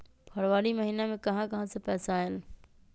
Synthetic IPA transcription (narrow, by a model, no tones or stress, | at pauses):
pʰɐɾʋaːɾimɐɦiːnemẽkɐɦãkɐɦãsẽpɛːsaːɦɪl